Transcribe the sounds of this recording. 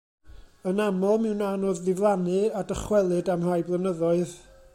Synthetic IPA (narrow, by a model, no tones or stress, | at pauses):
ənamɔlˠmɪwnanoːðːɪvlˠanɨadəχwɛlˠɨdamrajblˠənəðɔɨð